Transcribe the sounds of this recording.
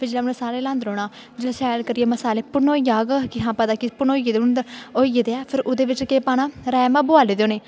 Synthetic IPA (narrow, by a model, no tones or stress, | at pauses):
pʰɪɾd͡ʒeːlaːʊnẽːsaːɾeːlãːnd̪ɾoːɽaː | d͡ʒeːlaːʃɛːlkəɾɪeːməsaːleːpʊnoːijaːɡəkɪɦãːpəd̪aːkɪpʊnoːieːd̪eʊnd̪oːijeːd̪eɛːpʰɪɾʊd̪eːʋɪt͡ʃkeːpaːnaːɾɛːmãːbʊaːleːd̪õːneː